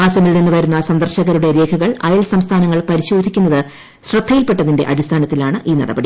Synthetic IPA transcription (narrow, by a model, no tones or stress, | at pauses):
aːsɐmilninːɨʋɐɾunːɐsɐnd̪ɐrɕɐɣɐɾuɽe̞ɾe̞ːkʰɐɣɐɭɐjɐlsɐmst̪ʰaːnɐŋːɐɭpɐɾiɕo̞ːd̪ʱikʲːunːɐðɨ | ɕrɨt̪ʰːɐjilpe̞ʈːɐðinde̞̰ʔɐɽist̪ʰaːnɐt̪ːilaːɳɨʔiːnɐ̰ɽɐ̰bɐɽi